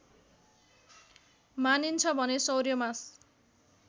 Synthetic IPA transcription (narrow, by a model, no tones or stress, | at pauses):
manint͡sʰʌbʱʌnesʌwrjʌmas